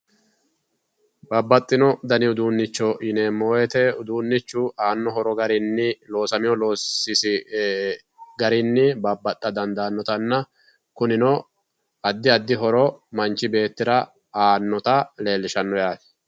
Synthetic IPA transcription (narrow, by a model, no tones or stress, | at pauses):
bɐbːɐt̪ʼːɪnɔd̪ɐnɪʊd̪uːnːɪt͡ʃːɔʔɪneːmːoːjɛt̪ɛʊd̪uːnːɪt͡ʃːʊaːnːɔɦɔɾɔɡɐɾɪnːɪlo̞ːsɐmɪjɔloːsɪsɪ | ɡɐɾɪnːɪbɐbːɐt̪ʼːɐd̪ɐnd̪aːnːɔt̪ɐnːɐ | kʊnɪnɔ | ɐd̪ːɪɐd̪ːɪɦɔɾɔmɐnt͡ʃːɪbe̞ːt̪ːɪɾɐ | aːnːɔt̪ɐle̞ːlːɪʃɐnːɔjaːt̪